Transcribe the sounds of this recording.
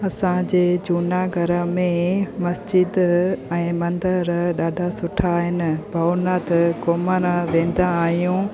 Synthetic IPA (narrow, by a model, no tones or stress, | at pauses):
ɐsãd͡ʑeːd͡ʑuːnaɡʱɐɾəmẽmɐsd͡ʑɪd̪ɛ̃ːmɐ̃nd̪əɾɗaːɖʱasʊʈʰaːɦɪnɪ̆bʱɐwnat̪koːməɾʋẽːn̆d̪aːɦijũ